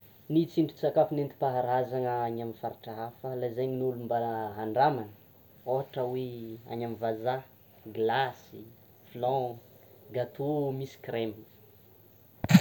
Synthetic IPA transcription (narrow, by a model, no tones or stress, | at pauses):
nit͡siɳɖ͡ʐut͡sakafinent̪i̥paɦaɾazaŋəaɲamifaɾiʈ͡ʂaafəlazajɲnulumbaləɦaɳɖ͡ʐamanə̥ | oɦaʈ͡ʂəwea̰ɲamivaza | ɡlasi | flɔ̃ | ɡat̪omisi̥kremini̥